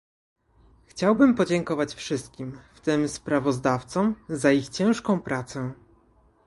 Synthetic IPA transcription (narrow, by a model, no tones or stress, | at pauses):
xt͡ɕawbɘmpɔd͡ʑɛŋkɔvat͡ɕfʂɘst̪̚kʲimft̪ɘmspɾavɔzd̪aft̪sɔ̃mzaixt͡ɕɛ̃w̃ʂkɔ̃w̃pɾʔat̪sɛ